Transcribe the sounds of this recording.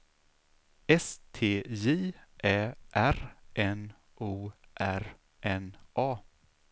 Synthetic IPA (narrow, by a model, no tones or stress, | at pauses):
ɛst̪ʰeːjeːʔɛːʔæɾʔɛn | ʔuːʔæɾ | ʔɛnʔɑː